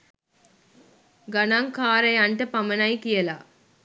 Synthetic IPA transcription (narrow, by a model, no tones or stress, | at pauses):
ɡɐnaŋkaːɾɐjɐɳʈɐpɐmɐnajkijɐla̰ː